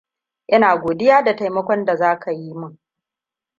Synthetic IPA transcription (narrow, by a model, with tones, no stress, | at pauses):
ʔɐ˦naː˨ɡʷoː˨dɪ˦jaː˦da˨ta˨jmɐ˦kʷɔ˦nda˨zaː˦kʰa˨ji˦mʊ˦ŋ